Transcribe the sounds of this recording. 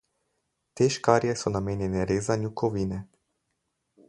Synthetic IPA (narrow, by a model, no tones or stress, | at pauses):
t̪eʃkaːɾjɛsɔnameːnjɛnɛɾeːzanjukʰɔʋiːnɛ